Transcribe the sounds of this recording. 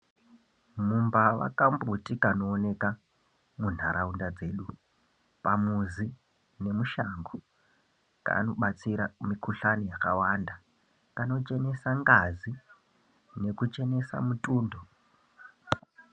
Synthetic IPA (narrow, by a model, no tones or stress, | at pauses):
mumbaʋa̰kambutikano̞ːne̞ka | mun̤aɾʔaundad͡ze̞ːɗu | pamuzi | ne̞muʃaŋɡo | ka̰no̞ɓat͡siɾamikʰuɬanijakawanda | kano̞t͡ʃe̞ne̞saŋɡazi | ne̞kut͡ʃe̞ne̞sa̰mutʼuːndo